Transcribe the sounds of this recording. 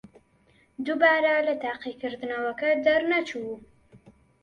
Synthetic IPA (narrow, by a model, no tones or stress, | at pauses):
d̪ubɑːɾalat̪aqikəɾd̪nawakad̪aɾnat͡ʃu